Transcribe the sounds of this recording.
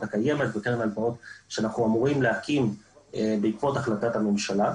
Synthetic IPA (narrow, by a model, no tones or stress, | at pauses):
t̪akaje̞met̪beteʁnalbaot̪ʃeanaχuamuʁimleakimebeikvo̞taχlatathame̞mʃala